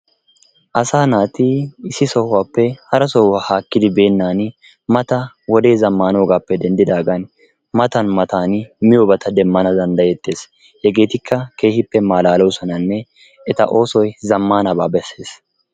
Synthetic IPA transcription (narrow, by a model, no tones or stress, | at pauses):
ʔɐsaːnaːt̪ɪɪsːɪsɔhːaːpːɛhɐɾɐsɔwwɐhaːkːɪd̪ɪbe̞ːnːaːn | mɐt̪ɐ | wɔd̪e̞ːzɐmːaːnoːɡaːpːɛd̪ɛnd̪ɪd̪aːɡɐn | mɐt̪ɐnmɐt̪aːnmɪjɔbɐt̪ʰɐd̪ɛmːɐnɐd̪ɐnd̪ɐjɛt̪ːe̞ːs | jɛɡe̞ːt̪ɪkʰːɐke̞ːhɪpːɛmaːlaːlɔwsɔnɐnːɛ | ɛt̪ɐ̰ʔo̞ːsɔjzɐmːaːnɐbaːbɛsːe̞ːs